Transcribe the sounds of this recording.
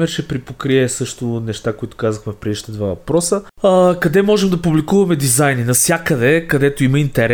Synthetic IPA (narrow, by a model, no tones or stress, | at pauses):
ɛɾt͡ʃɛpɾipokɾiɛsɤʃt̪ʊnɛʃt̪akoit̪ʊ̥kazəxmɛfpɾɛd̪iʃt̪əd̪vavɐpɾɔsəəkɐd̪ɛmɔʒɛmd̪ɐpublikuvɐmɛd̪izajninɐfsʲjakəd̪ɛkɐd̪ɛt̪oiməint̪ɛɾ